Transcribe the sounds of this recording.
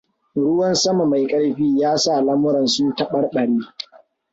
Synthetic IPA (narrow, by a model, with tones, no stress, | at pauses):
ɽʊ˦wɐ˦nsɐ˦ma˨ma˨jkʼɐ˦ɽɸiː˦jaː˦sa˦˨lɐ˦mʊ˦ɾɐ˨nsʊ˦ntɐ˦ɓɐ˦rɓɐ˨ɽiː˦